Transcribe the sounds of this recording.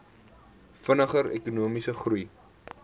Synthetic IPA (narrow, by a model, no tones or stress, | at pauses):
fənəχəɾḛkunuəmisəχruj